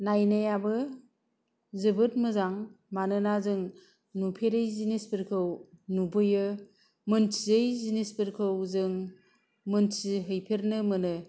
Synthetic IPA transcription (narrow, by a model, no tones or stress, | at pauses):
najnajabɯ | zɯbɯtmɯzaŋmanɯnazɯŋ | nupʰeɾɯjzinispiɾkʰɯwnubɯjɯ | mɯntʰiɯjzinispiɾkʰɯwzɯŋ | mɯntiɦɯjpʰeɾnɯmɯnɯ